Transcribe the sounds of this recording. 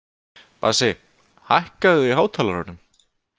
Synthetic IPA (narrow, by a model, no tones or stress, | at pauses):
pa̰ɾse | hajhkaðʏiɦaːwt̪ʰalaɾa̰ɾnʏm